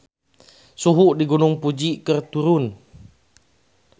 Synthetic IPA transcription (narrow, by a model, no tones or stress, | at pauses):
suɦuʔdiɡunʊŋpud͡ʒiʔkərt̪uɾʊn